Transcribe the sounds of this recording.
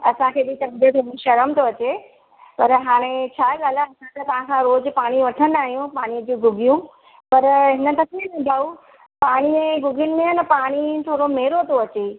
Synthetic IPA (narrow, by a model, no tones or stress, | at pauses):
ɐsãkʰeːɓit̪ɐmd̪ət̪ʰoĩʃɐɾəmt̪ʰoɐt͡ɕe | pɐɾɦaːɽ̃ẽt͡ɕʰaːɠaːlaɐsãt̪ɐt̪ɐʋ̤ãkʰãːɾoːzpaːɽ̃iʋɐʈʰən̆d̪aːɦijũpaːɽ̃ijəd͡ʑũːɡʊɡʱijũ | pɐɾɦɪnə̆t̪ɐkʰeẽd̪aːu | paːɽ̃ieɡʊɡʱɪnɪ̆mẽnəpaːɽ̃it̪ʰoːɽomeːɾot̪ʰoɐt͡ɕe